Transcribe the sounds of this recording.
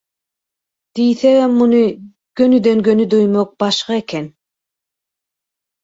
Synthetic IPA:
d̪̥ijθemːunɯ | ɡ̥ønyd̪øŋɡønyd̪ojmok̚b̥ɑʃqɑekʰen

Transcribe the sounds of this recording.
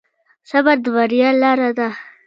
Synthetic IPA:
sabaɾd̪əbaɾijɑlɑɾad̪a

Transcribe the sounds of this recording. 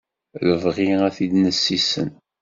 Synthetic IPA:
ləvʁiæθid̪nəsːisə̰n

